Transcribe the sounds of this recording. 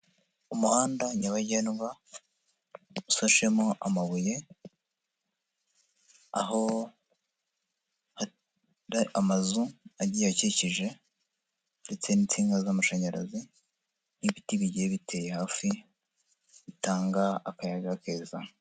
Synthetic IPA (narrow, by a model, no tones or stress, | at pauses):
umuhaːndaɲaβaɟenɡa | usoʃe̞moʔa̰maβuje̞ | a̰ɦo̞ | ha | ɾamazuaɟijaciciʒe̞ | nde̞t͡se̞niːnt͡siːŋɡazamaʃaɲaɾa̰zi | niβitiβiɟieβitʰe̞jehaːfi | βitaːŋɡaːkajaɡake̞ːza